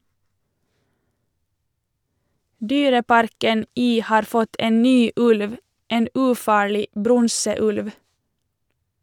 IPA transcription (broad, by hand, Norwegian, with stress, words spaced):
ˈdyːɾəˌpɑɾkən ˈiː ˈhɑːɾ ˈfɔt ˈeːn ˈnyː ˈʉlʋ ˈeːn ʉːˈfɑːɭɪ ˈbɾɔŋsəˌʉlʋ